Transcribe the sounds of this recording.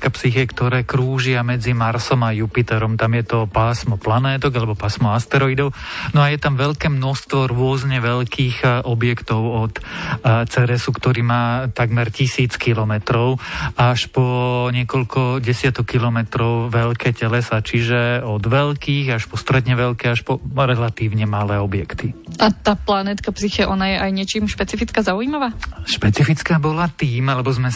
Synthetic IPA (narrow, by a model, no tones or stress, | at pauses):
kapsixɛkt̪ɔɾɛːkɾuːʒɪamɛd͡zimaɾsɔmajupit̪ɛɾɔmt̪amjɛt̪ɔpaːsmɔplanɛːt̪ɔɡalɛbɔpaːsmɔast̪ɛɾɔid̪ɔʊnɔajɛt̪amʋɛlkɛːmnɔst̪ʋɔɾʊɔzɲɛʋɛʎkʰiːɣʔɔbjɛkt̪ɔʊɔt̪t͡sɛɾɛsukt̪ɔɾiːmaːt̪aɡmɛɾcisiːt͡skilɔmɛt̪ɾɔʊaʃpɔɲɪɛkɔʎkʰɔɟɛsɪat̪ɔkːilɔmɛt̪ɾɔʊʋɛlkʰɛːcɛlɛsat͡ʃiʒɛɔd̪ʋɛlkiːɣaʃpɔst̪ɾɛd̪ɲɛʋɛlkɛaʃpɔɾɛlat̪iːʊɲɛmalɛːɔbjɛkt̪iʔat̪aːplanɛt̪kapsixɛʔɔnajɛʔajɲɪɛt͡ʃiːmʃpɛt͡sifit͡skazaujimaʋaːʃpɛt͡sifit͡skabɔlat̪iːmalɛbɔzmɛ